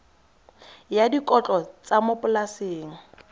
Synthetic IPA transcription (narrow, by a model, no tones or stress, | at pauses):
jadikʼɔt͡ɬʼɔt͡sʼamʊpʼʊlaseːŋ̩